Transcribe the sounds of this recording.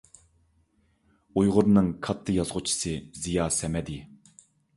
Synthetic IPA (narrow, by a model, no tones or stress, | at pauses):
ujʁʊɾnɨŋkʰɑt̪ʰːɨjɑzʁʊt͡ʃʰi̥sɨzijɑːsɛmɛd̪ɪ